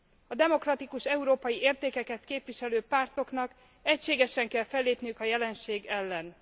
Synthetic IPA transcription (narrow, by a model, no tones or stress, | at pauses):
ɒd̪ɛmo̞krɒt̪ikuʃɛuɾoːpɒjieːrt̪eːkɛkɛt̪keːpʋiʃɛløːpaːrt̪o̞knɒk | ɛcʃeːɡɛʃɛŋkɛlfɛlːeːpnijykɒjɛlɛnʃeːɡɛlːɛn